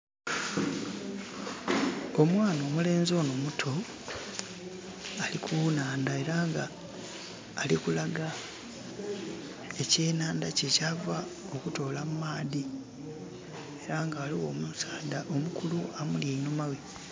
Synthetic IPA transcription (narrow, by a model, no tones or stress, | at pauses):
omwaːno̞ːmule̞ːnzo̞ːnomutʰo̞ | alikʰuːnaːndae̞ɾaːŋɡa | likulaɡa | e̞ce̞ːnaːndacecava | o̞kuto̞ːlamumaːði | eɾaːŋɡaːliwo̞ːmusaːdaʔo̞mukʰuluamuljeinomawe